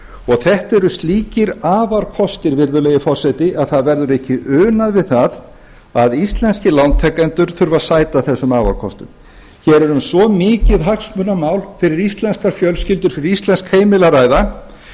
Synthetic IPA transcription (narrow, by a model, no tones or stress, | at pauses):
ɔɣθɛht̪ɛɾʏst̪liːcɪɾaːvaɾ̥kʰɔst̪ɪɾvɪɾðʏlejɪfɔr̥sɛjt̪ɪʔaðθaðvɛɾðʏɾɛhcɪʔʏːnaðvɪðθað | aðist̪lɛnscɪlawnt̪ʰɛkːant̪ʏɾ̥θʏɾvasaːjt̪aθɛsːʏmaːva̰ɾ̥kʰɔ̰st̪ʏm | çɛɾɛɾʏmsvɔmɪːcɪðɦaksmʏnamaːwlfɪɾɪɾist̪lɛnskaɾ̥fjœlscɪlt̪ʏɾ̥fɪɾɪɾist̪lɛnskheːjmɪlaɾaːjða